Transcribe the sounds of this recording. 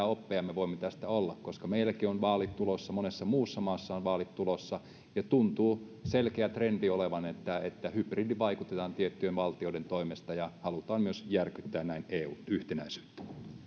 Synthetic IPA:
æopːeɑmːeʋoimːet̪æst̪æolːɑkkoskɑmeilːˑækionʋɑːlitt̪ulosːɑmonesːɑmuːsːɑmɑːsːɑonʋɑːlit̪t̪ulosːɑ | jɑt̪unt̪uːselkeæt̪rendioleʋɑnet̪ːæet̪ːæhypridiʋɑikut̪et̪ɑːnt̪iet̪ːyenʋɑlt̪ioˑiɾent̪oimest̪ɑjɑhɑlut̪ɑːmmyøsjærkyt̪ːæːnnæineːuːnyht̪enæisy̥ːt̪ːæ̥

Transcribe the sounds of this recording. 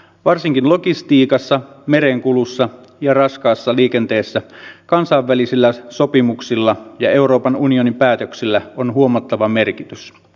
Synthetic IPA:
ʋɑrsiŋkinlo̞kist̪iːkɑsːɑ | me̞ɾeŋkulusːɑ | jɑrɑskɑːsːɑliːkent̪e̞ːsːækɑnsɑːʋːælisilːæso̞pimuksilːɑjɑe̞uɾo̞ːpɑnunionimpæːt̪øksilːæonɦuo̞mɑt̪ːɑʋɑme̞rkit̪ys

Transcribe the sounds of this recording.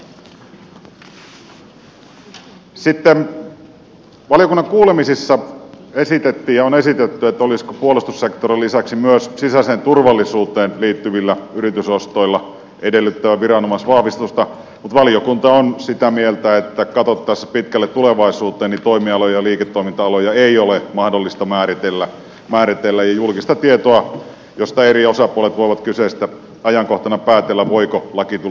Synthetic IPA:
sit̪ːen | ʋɑlijo̞kunːɑŋkuːlemisisːɑesit̪et̪ːiːjjɑonesit̪et̪ːyet̪ːæoliskopuolust̪usːekt̪orilːisæksimyøssisæseːnt̪urʋɑlːisuːt̪eːnliːt̪ːyʋilːæyrit̪ysost̪o̞ilːɑ | ede̞lːyt̪ːæʋæʋiɾɑnomɑsʋɑhʋist̪ust̪ɑ | mut̪ʋɑlijokunt̪ɑonsit̪æmielt̪æet̪ːækɑt̪ot̪ːɑsːpit̪kælːet̪t̪uleʋɑisuːt̪ˑeːnit̪oimiɑlojɑɑliːket̪ːoimint̪ɑɑlojɑeiolemɑhdolːist̪ɑmæːrit̪elːæ | mæːɾit̪elːæjjɑjulkist̪ɑt̪iet̪oɑ | jost̪ɑeriosɑpuolet̪ʋoiʋɑt̪kysest̪æ | ɑjɑŋkoht̪ɑnɑpæːt̪elːæʋoikolɑkit̪u

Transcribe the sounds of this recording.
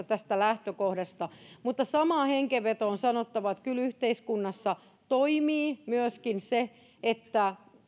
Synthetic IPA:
ɑt̪æst̪ælæht̪økohdɑst̪ɑmut̪ːɑsɑmɑːheŋkeʋʋet̪oːnsɑnot̪ːɑʋɑt̪kylyht̪eiskunːɑsːɑ | t̪oimiːmyøskinse | et̪ːæ

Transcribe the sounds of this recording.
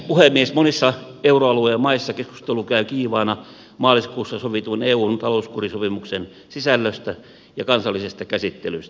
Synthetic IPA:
puhemmːiesmonisːɑ | euroɑluejɑmɑisːɑkesku̥st̪elukæykiːʋɑːnɑ | mɑːliskuːsːɑsoʋit̪uoneːuːnt̪ɑlouskurisopimuksen | sisælːøst̪æ | jɑkɑnsɑlːˑisest̪ɑkæsit̪ːelyst̪

